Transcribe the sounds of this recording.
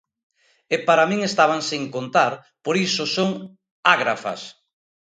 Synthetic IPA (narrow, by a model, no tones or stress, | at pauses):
epaɾamĩŋest̪aβ̞aŋseŋkont̪aɾ | poɾisosoŋ | aɣɾafa̰s